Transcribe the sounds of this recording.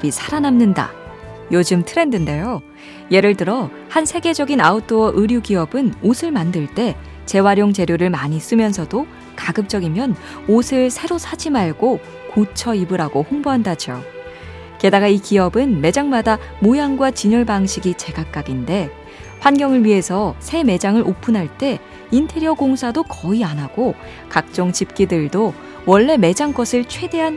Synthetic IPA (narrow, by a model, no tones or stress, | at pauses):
bisʰaɾanamnɯnda̰ | jod͡ʑɯmtʰɯɾe̞ndɯnde̞jo | je̞ɾɯɭtɯɾʌ | hansʰe̞ɡe̞d͡ʑʌɡinaut͈ʰowaʔɯɾjuɡiʌbɯnosʰɯɭmandɯɭt͈e̞ | t͡ɕe̞waɾjoŋt͡ɕe̞ɾjoɾɯɭmaɲis͈ɯmjʌnsʰʌdo | kaɡɯp̚t͡ɕ͈ʌɡimjʌn | osʰɯɭsʰe̞ɾosʰad͡ʑimaɭɡo | kot͡ɕʰʌibɯɾaɡohoŋboɦandad͡ʑio̰ | ke̞daɡaikiʌbɯnme̞d͡ʑaŋmada | mojaŋɡwat͡ɕiɲuɭbaŋɕʰiɡit͡ɕe̞ɡak͈aɡinde̞ | ɸwanɡjʌŋɯɭɥiɦe̞sʰʌsʰe̞me̞d͡ʑaŋɯɾʔopʰunɦaɭt͈e̞ | intʰe̞ɾiʌɡoŋsʰadokʌianaɡ̥o | kak̚t͡ɕ͈ʌŋt͡ɕip̚k͈idɯɭdo | wʌɭːe̞me̞d͡ʑaŋɡʌsʰɯɭt͡ɕʰwe̞de̞ɦan